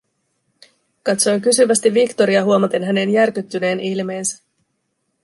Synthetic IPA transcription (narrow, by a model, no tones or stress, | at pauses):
kɑt̪so̞jk̬ysyʋæst̪iʋːikt̪o̞ɾiɑɦuomɑt̪enɦæne̞njærkyt̪ːyne̞ːnʔilme̞ːnsæ̥